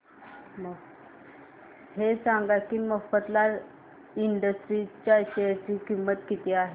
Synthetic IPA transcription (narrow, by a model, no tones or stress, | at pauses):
mə | hesaŋɡakiməfət̪laɾ | iɳɖəsʈɾit͡ɕjaɕet͡ɕiːkimːət̪kit̪ʰiaɦe